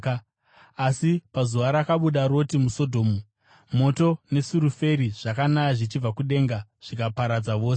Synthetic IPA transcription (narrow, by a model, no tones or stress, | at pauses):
asipazuʋaɾakaɓuɗaɾo̞timuso̞dʱo̞ːmu | mo̞to̞ne̞suɾufe̞ɾiʐ̥akanajaʐit͡ʃib͡vakuɗe̞ːŋɡaʐ̥ikapaɾad͡zaʋo̞ːse